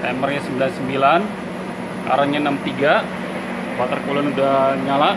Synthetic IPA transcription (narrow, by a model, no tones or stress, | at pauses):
t̪ɛmərɲasəmbilansəmbilan | a̰ɾaɲanamt̪iɡa | wat̪ərkulanudahɲala